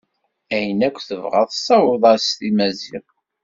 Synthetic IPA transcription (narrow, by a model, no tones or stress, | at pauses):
æjənækʷːθəvʁə̰ðˤsæwəðˤɑɾst̪imæziʁ